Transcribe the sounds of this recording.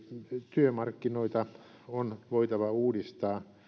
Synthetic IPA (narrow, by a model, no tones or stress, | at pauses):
t̪yømɑrkːinoit̪ɑ | onʋoit̪ɑʋɑuːdist̪ɑː